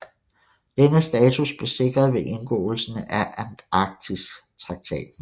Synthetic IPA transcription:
d̥enəsd̥ɛːt͡sʰusb̥le̝se̝ɡ̥ʁɐðˠʋe̝ʔe̝nɡ̥ɔ̰̽ːl̩sənʔæʔænɑɡ̥̚t͡sʰist͡sʰʁɑ̈ɡ̥̚t͡sʰɛ̰ːd̥̩

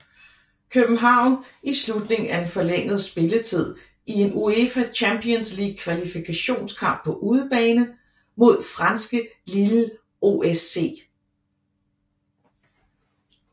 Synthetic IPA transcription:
kʰøb̥n̩ɦɑ̈ʊ̰nislud̥ne̝ŋæɐe̝nfɒ̽leŋ̰ð̞̩ˠsb̥e̝lət͡sʰið̞̰ˠ | ie̝nuefæt͡ɕʰæmpʰiənsliːɡ̥̚kʰʋælifikʰæɕo̝̰ːnskʰɑ̈m̰b̥̚pʰɒ̽ʔuːð̞ˠəb̥ɛːnə | mo̝ð̰ˠfʁɑ̈nsɡ̥əlilə | o̝ʔese̝̰ː

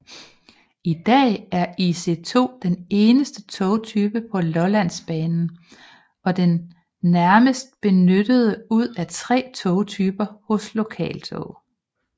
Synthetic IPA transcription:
id̥ɛ̰ːæɐise̝t͡sʰo̝̰ːd̥ene̝ːnəsd̥ət͡sʰɔʊt͡sʰyːb̥əpʰɒ̽lɒ̽læn̰sb̥ɛːnn̩ | ɒ̽d̥enː | æɐməsd̥̚b̥e̝nød̥əð̞̩ˠəuð̰ˠæt͡sʰʁɛ̰ːt͡sʰɔʊt͡sʰyːb̥ɐhɔ̽slo̝kʰɛ̰ːlt͡sʰɔ̽ʊ

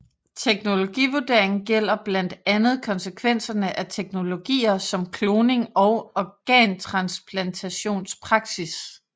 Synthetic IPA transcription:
t͡sʰeɡ̥no̝lo̝ɡ̥ḭːʋuɐd̥e̝ɐ̰eŋn̩ɡ̥el̰ɐb̥læn̰d̥ænð̞̩ˠkʰɒ̽nsəkʰʋen̰sɐnəʔæt͡sʰeɡ̥no̝lo̝ɡ̥ḭːɐsɒ̽mkʰloːne̝ŋɒ̽ʊɒɡ̥ɛ̰ːnt͡sʰʁɑ̈nspʰlænt͡sʰæɕo̝̰ːnspʰʁɑ̈ɡ̥sis

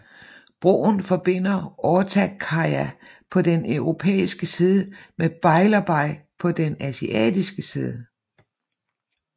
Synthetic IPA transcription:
b̥ʁoːnfɒ̽b̥e̝n̰ɐʔɒːt͡sʰækʰɑ̈æ | pʰɒ̽d̥enœʊʁo̝pʰḛːisɡ̥əsiːð̞ˠəmeb̥ɑ̈ɪlɐb̥ɑ̈ɪ̰pʰɒ̽d̥enæsiʔɛ̰ːd̥isɡ̥əsḭːð̞ˠə

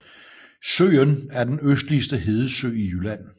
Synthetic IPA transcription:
sø̰ːənæɐd̥enøsd̥lisd̥əɦe̝ːðˠəsø̰ːijylæn̰

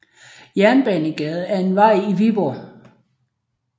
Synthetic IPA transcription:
jæɐnb̥ɛnəɡ̥ɛð̞̩ˠæɐe̝nʋɑ̈ɪ̰iʋib̥ɒ̰ː

